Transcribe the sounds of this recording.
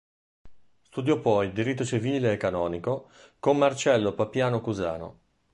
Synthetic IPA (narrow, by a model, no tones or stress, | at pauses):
st̪ud̪jɔpːɔjd̪iɾit̪ːot͡ʃiviːleːkːanɔːniko | kommːart͡ʃɛlːopapjaːnokuza̰ːno̰